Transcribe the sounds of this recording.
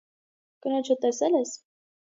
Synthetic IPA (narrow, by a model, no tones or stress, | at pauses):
kənɔt͡ʃʰət̪ɛsɛlɛs